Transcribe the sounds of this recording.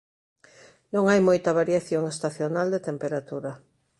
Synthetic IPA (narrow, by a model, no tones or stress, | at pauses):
nõŋajmojt̪ɐβ̞aɾjaθjoŋest̪aθjonald̪et̪empeɾat̪uɾɐ